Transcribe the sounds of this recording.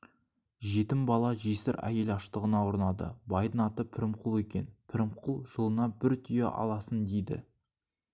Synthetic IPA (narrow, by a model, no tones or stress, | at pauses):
ʒe̞t̪ɪmbɑlˠɑʒesɪɾæ̰je̞lɑʃt̪əʁənɑwoɾnɑd̪ə̰bɑjd̪ənɑt̪əpʰɪɾɪmqʰʊlˠe̞kʲe̞̰npʰɪɾɪmqʰʊlˠʒ̥əlˠənɑbɪɾt̪ʰʏjḛʔɑ̰lˠɑsənd̪ejd̪ɪ̰